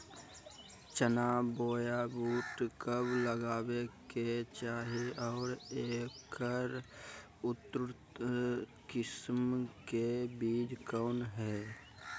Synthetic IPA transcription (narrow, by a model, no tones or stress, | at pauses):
t͡ʃənaːboːjabuːʈkəbləɡaːbeket͡ʃaːɦiɔːɾeːkəɾ | ʊt̪ɾ | kɪsmkebiːd͡ʒkəːnɦɛː